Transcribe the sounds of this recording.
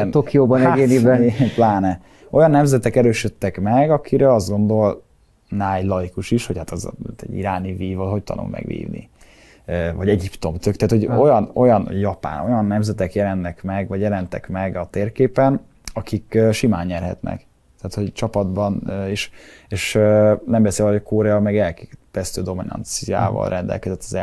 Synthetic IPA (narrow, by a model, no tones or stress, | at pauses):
nt̪okijoːbɒnɛɡeːnibplaːnɛ | o̞jɒnːɛmzɛt̪ɛkɛɾøːʃøt̪ːɛkmɛɡɒkʰiɾɛɒzd̪ɡo̞nd̪o̞l | naːjlɒikuʃiʃho̞chat̪ɛz̰t̪ɛ̰ɟḭɾaːniviːvɒlɦo̞c̚t̪ɒ̰nṵmmʔɛ̰ɡʋḭːvnḭ | øːvɒɟɛɟipt̪o̞mt̪økt̪æaːt̪ho̞ɟo̞jɒno̞̰jɒnjɒpa̰ːno̞jɒnːɛmzɛt̪ɛkjɛlɛnːɛkmɛɡvɒɟjɛlɛnt̪ɛkmɛɡɒt̪eːrkeːpɛn | ɒkikøːʃimaːɲɲɛrɦɛ̰t̪nɛ̰k | t̪ɛaːt̪ho̞ɟt͡ʃɒpɒd̪bɒnøeːʃ | eːʃøːnɛmbɛseːlɛokoɾɛɒmɛɡɛlkeːp̪ɛst̪øːd̪o̞minɒ̰nt̪sija̰ːvɒ̰lrʔɛnd̪ɛ̰lkɛzɛt̪ːɒzɛ